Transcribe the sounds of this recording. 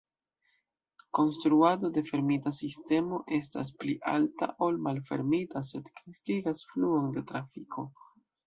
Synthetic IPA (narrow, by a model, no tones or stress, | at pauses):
ko̞nstɾuado̞de̞fe̞ɾmitasiste̞mo̞ʔe̞sta̰s̬pliʔa̰lta̰ʔo̞lmalfe̞̰ɾmitase̞dkɾistiɡasfluo̞nde̞tɾafikʰo̞